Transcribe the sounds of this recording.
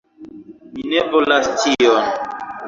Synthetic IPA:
minɛvolastijɔn

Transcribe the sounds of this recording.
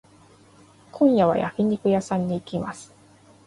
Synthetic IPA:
kʰõ̞ɰ̃jaβ̞a̰ja̰kʲiɲ̟ikɯ̟jasãɲ̟ːiːkʲimasɨ̥

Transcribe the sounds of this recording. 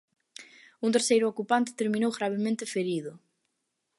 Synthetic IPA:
unt̪eɾsejɾʊokupant̪ɪ̥t̪eɾmĩnowɣɾaβ̞emẽnt̪ɪfeɾiðʊ

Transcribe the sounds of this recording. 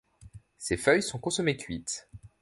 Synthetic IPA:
sefœjsɔ̃kɔ̃sɔmekʲɥit̪

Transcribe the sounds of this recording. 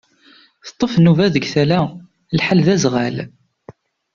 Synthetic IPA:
θə̥t̪ˤːəfnuvæðəɡθælæ | lħalðæzʁæl

